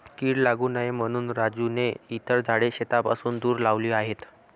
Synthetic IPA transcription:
kiːɽlaɡuːnaɦjm̤əɽ̃uːnɾad͡zuneit̪əɾd͡zʱaɽeɕet̪apasuːnd̪uːɾlaʋliːaɦet̪

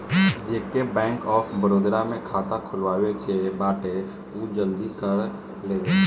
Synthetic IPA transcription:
d͡ʒeːkebɛ̃ːŋkɔːfʰbəɾoːd̪ɾamẽkʰaːt̪akʰʊlwaːwekebaːʈe | ud͡ʒəld̪ikəɾ | leːʋe

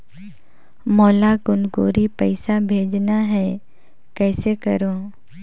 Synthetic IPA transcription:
mɔːlaɡʊnɡoːɾipɐɪsabʱeːd͡ʒnaɦɛ | kɛːsekɐɾoː

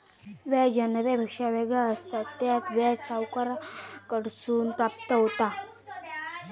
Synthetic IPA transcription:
ʋɛd͡ʑənʋebʱəkʂaʋeɡɭaəst̪at̪ːjat͡s̪ʋɛsawkəɾakəɽsuːnpɾap̚t̪əɦot̪a

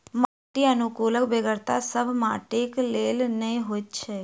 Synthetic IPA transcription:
maːʈiənʊkuːləkbeɡəɾt̪asəbmaːʈeːkleːlnəĩɦoːt̪t͡ʃʰɛː

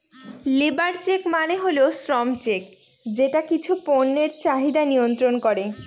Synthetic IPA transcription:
libaɾt͡ɕekmaneɦoleosɾɔmt͡ɕek̚ | d͡ʑeʈakit͡ɕʰuponːeɾt͡ɕaɦid̪anijont̪ɾonkoɾe

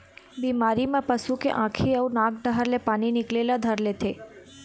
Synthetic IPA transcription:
bimaɾimãpəsũkḛʔãkʰiəũnãk̚ɖəɦəɾlepaninɪklelad̪ʱəɾlet̪ʰe

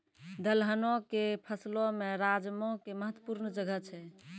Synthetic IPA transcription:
d̪əlɦənõkepʰəslomeɾad͡ʒmõkeməɦət̪wəpuɾnd͡ʒəɡət͡ʃʰɛ

